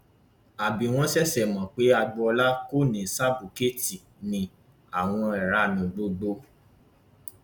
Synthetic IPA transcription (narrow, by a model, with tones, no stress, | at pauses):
a˨bĩ˨˦w̃ɔ̃˦sɛ˦sɛ˨mɔ̃˨k͡pe˨˦a˧ɡ͡bɔ˧ɔ˧la˦ko˦˨nĩ˨sa˦bu˨ke˦˨ti˨ | nĩ˧ | a˨w̃ɔ̃˧ɛ˨ɾa˧˦nũ˨ɡ͡bo˨˧ɡ͡bo˦